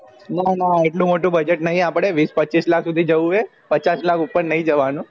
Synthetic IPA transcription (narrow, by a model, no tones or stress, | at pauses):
nanaeʈlũmoʈũbəd͡ʒeʈnəɦĩapɽ̃eʋispətːt͡ʃislakʰsud̪ʱid͡ʒəuʋe | pət͡ʃaslakupːəɾnəɦĩd͡ʒəʋanũ